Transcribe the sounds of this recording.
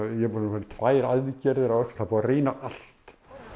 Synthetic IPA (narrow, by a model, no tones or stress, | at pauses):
jɛpɔnfaːɾɪt̪ʰvaːjɾaððɪcɛɾðɪɾaðœkst̪apɔareːnaʔal̥t̪